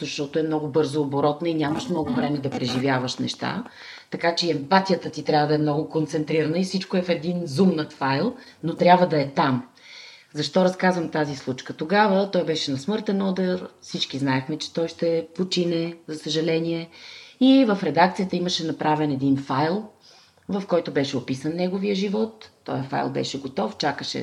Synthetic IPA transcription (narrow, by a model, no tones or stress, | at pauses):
zɐʃt̪ɔt̪ʊɛmnɔɡʊbɤɾzoːboɾɔt̪nəinʲaməʃmnɔɡʊvɾɛmɛd̪ɐpɾɛʒivjavəʃnɛ̰ʃt̪a̰ | t̪ɐkat͡ʃɛɛmpat̪ijət̪ət̪it̪ɾʲabvəd̪ɐɛmnɔɡʊkont̪sɛnt̪ɾiɾənəifsit͡ʃkoɛfɛd̪inzumnət̪fajlˠ | not̪ɾʲabvəd̪ɐɛt̪am | zɐʃt̪ɔɾɐskazvəmt̪azislˠut͡ʃkət̪oɡavət̪ɔjbɛʃɛnɐsmɤɾt̪ɛnɔd̪ɛɾfsit͡ʃkiznaɛxmɛt͡ʃɛ̥t̪ɔjʃt̪ɛpot͡ʃinɛzɐsəʒɐlɛniɛivəfɾɛd̪ak̚t̪sijət̪əiməʃɛnɐpɾʔavɛnɛd̪infajlˠ | vɐfkɔjt̪obɛʃɛopisənːɛɡoviəʒivɔt̪ːɔ̰jəfa̰jlˠbɛ̰ʃɛɡot̪ɔft͡ʃakəʃɛ̰